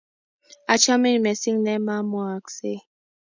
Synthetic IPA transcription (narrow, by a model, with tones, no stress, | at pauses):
a˨t͡ʃa˦me˦n˨mɛ˨si˦ŋnɛ˦ma˦mɔ˦a˨kse˦